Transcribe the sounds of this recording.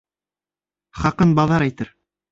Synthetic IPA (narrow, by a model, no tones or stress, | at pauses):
χɑqɤnbɑðɑɾæjt̪ɘɾ